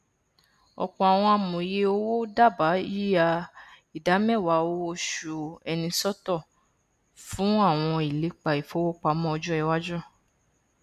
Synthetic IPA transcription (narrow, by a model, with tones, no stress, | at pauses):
ɔ̰˧k͡pɔ̃˧a˨w̃ɔ̃˧a˧mũ˨i˨je˦o˦wo˦da˦˨ba˨˦i˦a˧ | i˨da˨˦mɛ̃˦˨wa˨˦o˦˧o˧˦ʃu˨ɛ˧nĩ˧sɔ˦tɔ˦˨ | fũ˨˦a˦˨w̃ɔ̃˧i˨le˨˦k͡pa˨i˨fo˨˦wo˦k͡pa˧˦mɔ̃˦ɔ˧d͡ʒɔ˦ɛ˧wa˦d͡ʒɔ˦